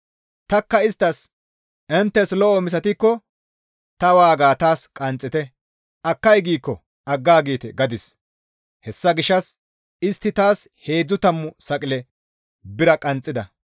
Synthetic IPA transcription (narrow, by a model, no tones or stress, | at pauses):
t̪ɐkːɐɪst̪ːɐs | ʔɛnt̪ːɛslɔʔɔmɪs̬ɐt̪ɪkːɔ | t̪ɐwaːɡaːt̪aːskʼɐnt͡sʼːɪt̪ɛ | ʔɐkːɐjɡiːkːɔ | ʔɐɡːaːɡiːt̪ɛɡɐd̪ɪs | hɛsːɐɡɪʃːɐs | ɪst̪ːɪt̪aːshe̞ːd͡zːʊt̪ɐmːʊsɐkʼɪlɛ | bɪɾɐkʼɐnt͡sʼːɪd̪ɐ